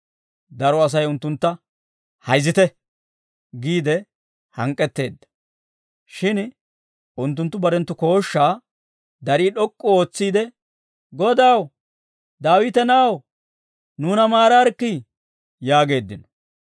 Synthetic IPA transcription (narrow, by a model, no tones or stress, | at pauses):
d̪ɐɾɔɐs̬ɐjʊnt̪ːʊnt̪ːɐ | hɐjzɪt̪ɛ | ɡiːd̪ɛ | hɐŋkʼːɛt̪ːe̞ːd̪ːɐ̥ | ʃɪn | ʊnt̪̬ːʊnt̪ːʊbɐɾɛnt̪ːʊko̞ːʃːaː | d̪ɐɾiːɗɔkʼːɔo̞ːt͡sːiːd̪ɛ | ɡɔd̪aw | d̪aːwɪt̪ɛnaw | nuːnɐmaːɾaɾkːi | jaːɡe̞ːd̪ːɪnɔ̥